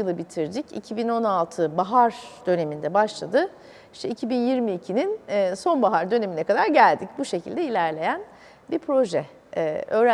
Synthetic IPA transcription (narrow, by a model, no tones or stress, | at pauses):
ɯlˠɯbit̪ʰiɾd̪icḭcʰibino̞nalˠt̪ʰɯbaɦaɾd̪̥ø̞ne̞mind̪ɛbaʃlˠad̪ɯ | iʃt̪ʰɛicʰibinjiɾmiːcʰininːso̞nbaɦaɾd̪ø̞ne̞minɛkʰad̪aɾɟælʲd̪ic̚buʃe̞cʰilʲd̪ɛilʲæɾlʲe̞jæn | biɾpɾo̞ʒɛ̰ | ø̞ːɾ